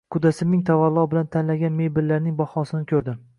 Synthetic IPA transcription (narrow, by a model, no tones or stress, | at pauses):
kʰʊd̪asɪmnːɪŋt̪ʰavalˠːɒbɪlant̪ʰanlaɡʲanme̞jbɪllːaɾnɪŋbɒhɒsɪnɪkʲʰɵɾd̪ɪm